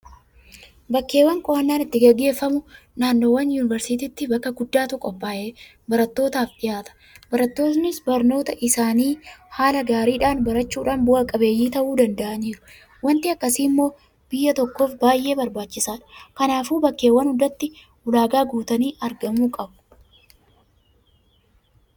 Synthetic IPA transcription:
bɐkːe̞ːwːɐŋkʼɔɐnːaːnɪt̪ːɪɡɛɡːe̞ːfːɐmʊ | naːnːoːwɐnjuːnɪvɐɾsɪt̪iːt̪ːɪbɐkːɐɡʊd̪ːaːt̪ʊkʼɔpːaːʔeː | bɐɾɐt̪ːo̞ːt̪aːfᶑɪjaːt̪ɐ̥ | bɐɾɐt̪ːo̞ːt̪nɪsbɐɾno̞ːt̪ɐʔɪsaːniːhaːlɐɡaːɾiːᶑaːnbɐɾɐt͡ʃːuːᶑaːnbʊʔɐkʼɐbe̞ːjːiːt̪ɐʔuːd̪ɐnd̪ɐʔɐniːɾʊ | wɐnt̪ɪɐkːɐsiːmːo̞ː | b̥ɪjːɐt̪ɔkːo̞ːfbaːjʔe̞ːbɐɾbaːt͡ʃːɪsaːᶑɐ̥kɐnaːfuːbɐkːe̞ːwːɐnhʊd̪ɐt̪ːɪ | ʊlaːɡaːɡuːt̪ɐniːʔɐɾɡɐmuːkʼɐbʊ̥

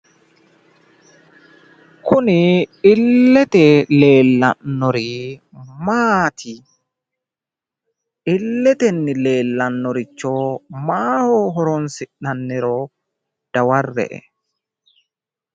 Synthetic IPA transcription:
kʰʊnɪɪlːɛt̪ɛle̞ːlːɐ̰nːɔɾɪ | maːt̪ʰɪ | ɪlːɛt̪ɛnːɪle̞ːlːɐnːɔɾɪt͡ʃːoːmaːhoːɦɔɾɔnsɪʔːɐnːɪɾɔ | d̪̥ɐwɐrːɛ̰ʔɛ̰

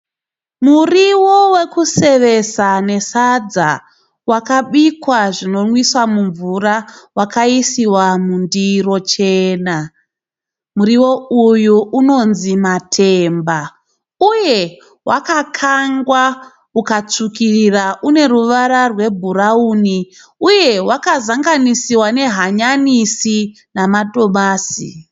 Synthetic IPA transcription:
muriwo̞we̞kuse̞ʋe̞sane̞sad͡za | wakaɓikwaʐino̞nwiswamuɱvurawakaisiwamundiro̞t͡ʃe̞ːna | muɾiwo̞ujuuno̞nzimatʰe̞mba | uje̞ | wʔakakʰaŋɡwa | ukat͡sukiriraʔune̞ɾuʋaɾarwe̞bʱuɾauːni | uje̞wakazaŋɡanisiwane̞ɦaɲanisi | namado̞maːsḭ

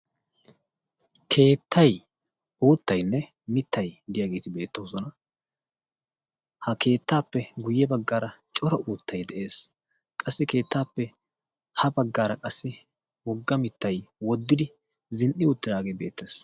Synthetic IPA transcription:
kʰe̞ːt̪ʰːɐj | uːt̪ːɐjnːɛ | mɪt̪ːɐjd̪ɪjaːɡe̞ːt̪ɪbe̞ːt̪ːoːsɔnɐ | hɐke̞ːt̪ːaːpːɛɡʊjːɛbɐɡːaːɾɐt͡ʃʼɔɾɐʔuːt̪ːɐjd̪ɛʔe̞ːs | kʼɐsːɪke̞ːt̪ːaːpːɛ | hɐbɐɡːaːɾɐkʼɐsːɪ | wɔɡːɐmɪt̪ːɐjwɔd̪ːɪd̪ɪ | zɪnʔɪʊt̪ːɪd̪aːɡeːbe̞̰ːt̪ːe̞ːs

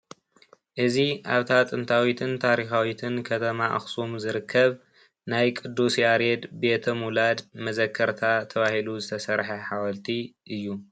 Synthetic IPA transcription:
ʔɨziʔaβt̪ʰat̪ʼɨnt̪ʰawit̪ʰɨnt̪ʰaɾixawit̪ʰɨnkʰɐt̪ʰɐmaʔa̰xsumzɨɾɨkʰːɐβ | najkʼɨd̪ːusjaɾed̪be̞t̪ʰɐmulad̪mɐzɐkʰːɐɾt̪ʰat̪ʰɐβahiluzɨt̪ʰɐsɐɾħɐħawɐlt̪ʰiʔɨjːu

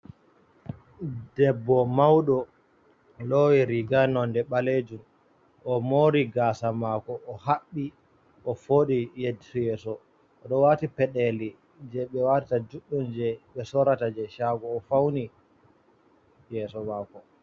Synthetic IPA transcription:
dɛbːɔmawɗɔ | lowiɾiɡanɔndɛɓaled͡ʒum | ʔɔmoɾiɡaːsamaːkɔʔːhaɓːi | ʔɔfoɗijedisɔjɛːsɔ | ɗɔwaːtipɛɗɛli | d͡ʒɛɓɛwatitad͡ʒuɗːund͡ʒɛɓɛsɔɾatad͡ʒɛʃaːɡɔːfawni | jɛːsɔmaːkɔ

